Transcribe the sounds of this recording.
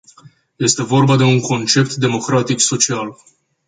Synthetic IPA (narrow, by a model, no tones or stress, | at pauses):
je̞st̪e̞vo̞rbad̪e̞uŋko̞nt͡ʃe̞pt̪d̪e̞mo̞kɾat̪ikso̞t͡ʃial